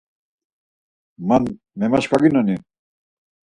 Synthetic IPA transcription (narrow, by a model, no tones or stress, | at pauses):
man | mɛmaʃkaɡinɔni